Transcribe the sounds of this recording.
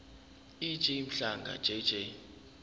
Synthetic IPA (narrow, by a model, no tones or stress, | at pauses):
i̥t͡ʃʼem̩ɬaŋɡʱa̰̥d͡ʒ̥ʱʼɛ̥d͡ʒ̥ʱɛ